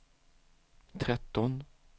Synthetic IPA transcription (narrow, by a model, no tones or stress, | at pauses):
t̪ʰɾɛt̪ːɔn